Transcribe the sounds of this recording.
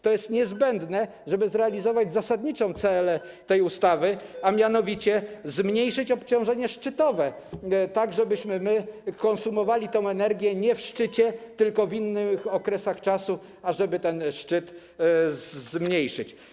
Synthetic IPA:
t̪ɔjɛst̪ɲɛzbɛnd̪nɛ | ʐɛbɘzɾɛalʲizɔvad͡ʑzasad̪ɲit͡ʂɔ̃w̃t̪sɛlɛ | t̪ɛjust̪avɘamʲjanɔvʲit͡ɕɛzmɲejʂɘt͡ɕɔpt͡ɕɔ̃w̃ʐɛɲɛʂt͡ʂɘt̪ɔvɛ | t̪aɡʐɛbɘɕmɘmɘkɔ̃nsumɔvalʲit̪ɔ̃w̃ɛnɛɾɡʲjɛɲɛfʂt͡ʂɘt͡ɕɛt̪ɘlkɔvinːɘxɔkɾɛsaxt͡ʂasu | aʐɛbɘt̪ɛnʂt͡ʂɘt̪ | zmɲejʂɘ̰t͡ɕ

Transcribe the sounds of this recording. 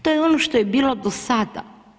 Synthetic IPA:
t̪ojeonoʃt̪ojebiːlod̪osad̪a̰

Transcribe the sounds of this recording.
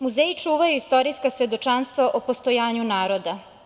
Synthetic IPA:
muzeːit͡ʃuːʋajuist̪o̞ɾijskasʋe̞d̪o̞t͡ʃanst̪ʋaʔopost̪ojaːɲunaːɾo̞d̪a

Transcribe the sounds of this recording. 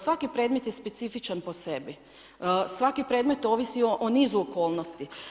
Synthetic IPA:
sʋakipɾe̞d̪me̞t̪jespe̞t̪sifit͡ʃanpo̞se̞bi | sʋakipɾe̞ːd̪me̞t̪o̞ʋisioʔonizuoko̞ːlˠnost̪i

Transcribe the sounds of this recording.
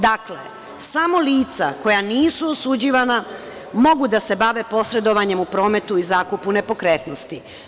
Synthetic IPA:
d̪aklḛ | samo̞liːt̪sako̞janiːsuosud͡ʑiʋana | mo̞ɡud̪ase̞baʋe̞po̞sɾe̞d̪o̞ʋaɲe̞mupɾo̞ːme̞t̪uizaːkupune̞po̞kɾeːt̪nost̪i

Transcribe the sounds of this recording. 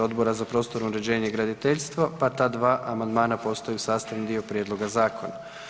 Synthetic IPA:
o̞d̪bo̞ɾazapɾo̞ːst̪o̞ɾuɾe̞d͡ʑe̞ːɲeɡɾad̪it̪eʎst̪ʋopat̪aːd̪ʋaːʔamand̪maːnapo̞st̪ojusaːst̪aʋnid̪io̞pɾjed̪lo̞ɡazaːkʰo̞na

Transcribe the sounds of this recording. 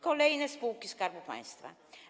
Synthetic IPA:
kolejnespuːkːiskɑrʋupɑ̰jst̪ʋa̰

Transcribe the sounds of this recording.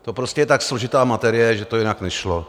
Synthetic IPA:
t̪o̞pɾoscɛjɛt̪akslo̞ʒɪt̪aːmat̪ɛɾɪjɛʒɛt̪o̞jɪnaknɛʃlo

